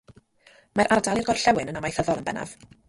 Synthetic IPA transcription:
maɾʔardalˠɪrɡɔrɬɛwɪnənamajθəðɔlˠənbɛ̰na̰v̥

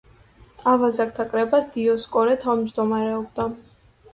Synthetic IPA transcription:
avazak̚t̪ʰakʼɾɛbasd̪̥iɔskʼɔɾɛt̪ʰavmd͡ʒd̪ɔmaɾɛɔbd̪a

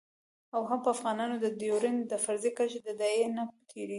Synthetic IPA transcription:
awɦampəafɣɑnɑnod̪əd̪joɾend̪əfaɾzekat͡ʃed̪əd̪ɑjenat̪ʰeɾeɡi

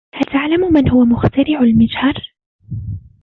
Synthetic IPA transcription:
halt̪aʕlammɪnhʊwamʊxt̪aɾɪʕʊlmɪd͡ʒhɑɾˤ

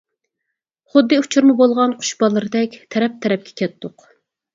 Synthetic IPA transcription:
χʊd̪ːɨut͡ʃʰuɾmɨbolˠʁɑnqʰʊ̥ʃbɑlˠːɨɾɨd̪ɛkʲt̪ʰɛɾɛp̚t̪ʰɛɾɛp̚kʲʰɛ̥kʲʰɛt̪ʰːʊq

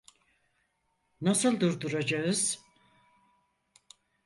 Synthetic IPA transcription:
nasɯlˠd̪uɾd̪uɾad͡ʒaɯz̥

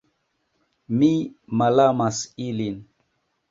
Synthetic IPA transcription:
mimalamasilin

